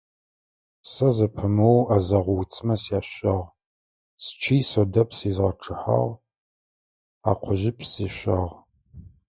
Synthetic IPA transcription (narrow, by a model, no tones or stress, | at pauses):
sɐzɐpʰɨmɨwazɐʁʷʊwt͡sʰʼmɐsjaːɕɐʁ | st͡ʃʰiːjsodɐpʰsiːzʁɐʈ͡ʂʰɨħa̰ʁ | a̰ːqʷʰʊʒɪpʰsiːɕʷɐʁ